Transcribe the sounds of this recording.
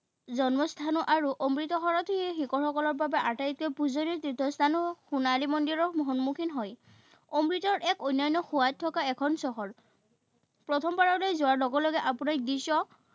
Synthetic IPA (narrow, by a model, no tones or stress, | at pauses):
zɔnmɔst̪ʰanɔʔaɹuʔomɹitɔxɔɹɔtʰɛxikɔɹhɔkɔlɔɹbabɛʔatajt̚kɔjpuzoniɹtɹitːɔstʰanɔxunalimɔndiɹɔɹmɔɦɔnmukʰinɦɔj | omɹitɔɹʔɛkojnɔjnːɔxuwat̚tʰːɔkaɛkʰɔnsɔɦɔɹ | pɹɔtʰɔmbaɹɔlojzʊaɹlɔɡɔlɔɡɛʔapunaɹ̚disɔ